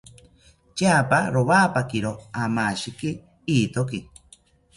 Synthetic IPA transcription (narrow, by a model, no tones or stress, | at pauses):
t͡ʃaːpaɾoβaːpakiɾoamaːʃiki | iːt̪oki